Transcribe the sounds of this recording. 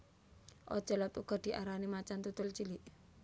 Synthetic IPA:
ʔɔ̰̥t͡ʃɔ̤lɔt̪uɡ̥ɔ̤d̪̥i̤ʔaɾanimat͡ʃant̪ut̪ʊlt͡ʃiliʔ

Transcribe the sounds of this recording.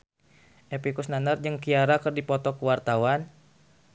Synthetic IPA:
ʔɛpikusnanərd͡ʒɨŋkiaɾakɨrdipɔt̪ɔkuwart̪awan

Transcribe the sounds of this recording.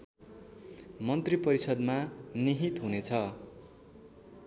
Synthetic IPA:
mʌnt̪ripʌɾisʌd̪maniɦit̪ɦunet͡sʰʌ

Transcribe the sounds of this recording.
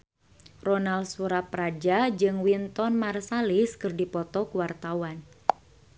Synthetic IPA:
rɔnalsuɾapɾad͡ʒad͡ʒɨŋwint̪ɔnmarsaliskɨrdipɔt̪ɔkuwart̪awan

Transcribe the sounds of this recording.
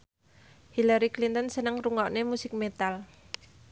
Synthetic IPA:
hilaɾiklint̪ənsənəŋruŋɔʔnemusɪk̚met̪al

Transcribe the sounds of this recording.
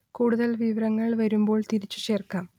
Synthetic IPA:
kuːɽuðɐlʋiʋɐɾɐŋːɐɭʋɐɾumbo̞ːɭt̪iɾit͡ɕːu̥t͡ɕeːrkaːm

